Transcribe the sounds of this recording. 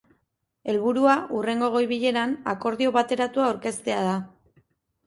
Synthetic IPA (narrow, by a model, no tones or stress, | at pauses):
e̞lβuɾuaʔure̞ŋɡo̞ɣ̞o̞jβiʎe̞ɾanako̞ɾðio̞βat̪e̞ɾat̪uawɾke̞st̪e̞aða